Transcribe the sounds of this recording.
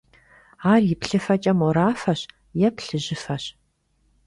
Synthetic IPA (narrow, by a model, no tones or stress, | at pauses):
aːrjɪpɬɨfɐt͡ʃʼɐmɔɾaːfɐɕ | jɛpɬɨʑɪfɐɕ